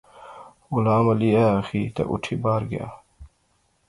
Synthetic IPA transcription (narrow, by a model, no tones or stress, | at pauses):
ulaːmɐliaxit̪ɐ̰ʔṵʈʰibaːɾɡja̰ː